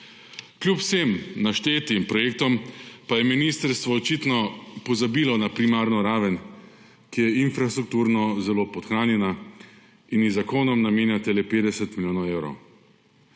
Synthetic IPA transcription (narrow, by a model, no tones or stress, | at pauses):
klʲjupw̥semnaʃt̪eːt̪impɾɔjeːk̚t̪ɔmpajɛminiːst̪əɾst̪ʋɔːt͡ʃit̪nɔpɔzabiːlɔnapɾimaːɾnɔɾaːʋən | kijɛinfɾast̪ɾuk̚t̪uːɾnɔzɛloːpɔt̪xɾaːnjɛna | injizakoːnɔmnameːnjat̪ɛlepeːd̪ɛsɛt̪milʲjoːnɔwewɾɔ̰w